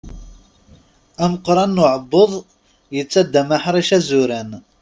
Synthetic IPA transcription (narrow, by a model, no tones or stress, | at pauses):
æməqːɾˤɑnːʊʕəbːoðˤ | jət͡sːæd̪ːæmaħɾˤiʃæzʊɾæn